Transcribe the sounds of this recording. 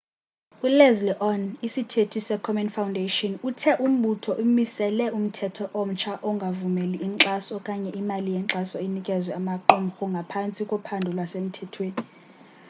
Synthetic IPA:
ulɛzliʔɔnisitʰetʰisɛkʰɔmɛnfawundʱeʃɔnutʰɛʔum̩ɓutʰɔʔumisɛlɛʔum̩tʰɛtʰɔʔom̩t͡ʃʰaʔɔŋɡʱavumeliːŋǁasɔkʼaɲɛʔimalijɛŋǁasɔinikʼɛzwɛamaǃɔm̩xuŋɡʱapʰant͡sʼikʼɔpʰandʱulwasem̩tʰɛtʰweːni

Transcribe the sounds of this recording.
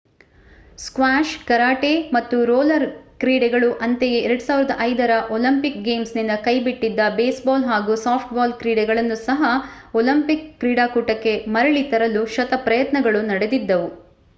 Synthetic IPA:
skʋaːʃkɐɾaːʈemɐt̪ːuɾoːlɐɾkɾiːɽɛɡɐɭuʔɐnt̪ejeɛɾɐɽusaːʋiɾɐd̪ɐʔɐjd̪ɐɾɐʔolɐmpik̚ɡe̞ːmsnind̪ɐkɐjbiʈːid̪ːɐbeːsbaːlɦaːɡusaːpʰʈbaːlkɾiːɽɛɡɐɭɐnːusɐɦɐ | olɐmpikːɾiːɽaːkuːʈɐkːe̞mɐɾɐɭit̪ɐɾɐluʃɐt̪ɐpɾɐjɐt̪nɐɡɐɭunɐɽe̞d̪id̪ːɐʋu

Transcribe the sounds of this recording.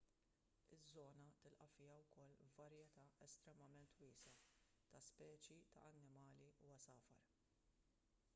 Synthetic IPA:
ɪzːɔːnɐt̪ɪlʔɐfɪːjɐwkɔlːɐɾjɛt̪ɐʔɛst̪ɾɛmɐmɛnt̪wiːsɐ | t̪ɐspɛːt͡ʃjit̪ɐ̰ʔɐnːɪmɐːliuwɐsɐːfɐ̰ɾ

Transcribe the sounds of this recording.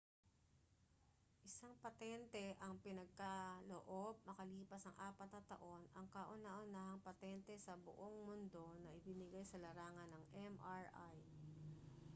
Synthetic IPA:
ʔɪsaŋpɐt̪ɛnt̪ɛʔɐŋpɪnɐɡ̚kɐloʔob̚mɐkɐliːpɐsɐŋʔaːpɐt̪̚nɐt̪ːɐ̰ʔo̞nɐŋkɐʔʊnaʔʊnaːɦɐŋpɐt̪ɛnt̪ɛsɐbʊ̰ʔo̞ŋmʊnd̪o̞nɐʔɪbɪnɪɡajsɐlɐɾaːŋɐnːɐŋʔɛmʔaɹʔaj

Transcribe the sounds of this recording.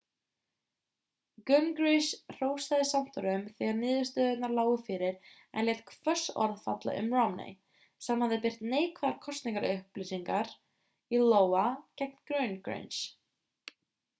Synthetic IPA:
ɡʏnkɾisr̥oːwst̪aðɪsam̥t̪ɔɾʏmθɛːɣaɾnɪːðʏst̪œðɪt̪naɾlaːwɣʏfɪɾɪɾ | ɛ̰nlɛːt̪̚kʰvœ̥sɔ̰ɾðfa̰t̪la̰ʔʏ̰mrɔmnḛj | sɛmhaðɪpɪr̥t̪neːjkvaðaɾkʰɔst̪niŋkaɾʏhplisiŋkaɾ̥ | iloːwacɛk̚nɡɾœɥnkɾḛjns

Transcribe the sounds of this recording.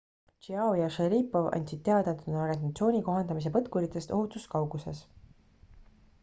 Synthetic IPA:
t͡ʃiɑwjɑʃeɾiːpːo̞vɑ̰nʲsit̪̚t̪ːeɑd̪ɑt̪ːunorenɑt̪sio̞ːnʲiko̞ɦɑnd̪ɑmis̬e̞pɤt̪kuɾit̪ːˑe̞st̪o̞hut̪ˑuskɑwɡ̥use̞s

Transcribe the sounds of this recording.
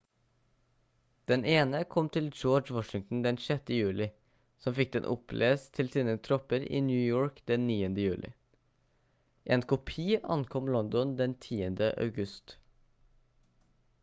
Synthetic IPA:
d̪̥ɛnʔeːnəkʰɔmt̪ʰɪld͡ʒoːd͡ʒwɔʃɪŋt̪n̩d̪ɛnʃɛt̪əjʉːlɪ | sɔmfɪk̚d̪ɛnʔʊpʰlʔḛːst̪ʰɪlsiːnət̪ʰɾɔpəɾḭːnjʉːjoːɹkd̪ɛnːiːənd̪əjʉːlʔɪ̰ | ʔeːnkʊpʰiːʔɑ̰nkʰɔmlɔnd̪ɔnd̪ɛnt̪ʰiːənd̪əʔɑ̰ʉɡʉst̪

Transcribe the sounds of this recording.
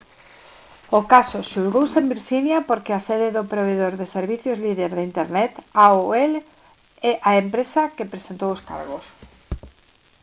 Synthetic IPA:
okasʊʃulɣowsembiɾʃinjapoɾkɪaseðɪðopɾoβ̞eðoɾðeseɾβiθjozliðeɾðeint̪eɾnɛt̪aoel | ɛʔaempɾesakepɾesent̪owoska̰ɾɣos

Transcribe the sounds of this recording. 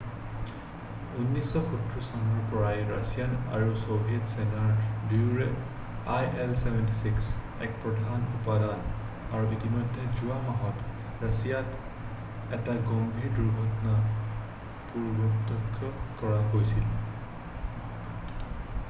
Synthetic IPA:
unːisɔxutːɹisɔnɔɹpɔɹajɹasijana̰ɹusobʱijɛtsɛnaɹbiuɹɛ | ajʔelsɛbʱɛntisiks | ɛ̰kpɹɔdʱanupadan | aɹuitimɔjdʱːɛzuamaɦɔt | ɹasijat | ɛtaɡɔmbʱiɹduɹɡʱɔtɔna | puɹbɔtɔkʰːɔkɔɹaɦojsil

